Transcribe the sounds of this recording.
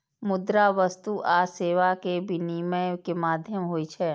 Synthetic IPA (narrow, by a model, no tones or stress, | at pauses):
mʊd̪ɾaʋəst̪uʔaːseːʋakebʱiniməjkemaːd̪ʱjəmɦoːit͡ʃʰɛː